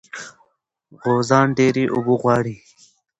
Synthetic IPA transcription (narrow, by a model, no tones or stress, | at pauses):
ɣozɑːnɖeːɾiʔʊbuɣwɑːɽi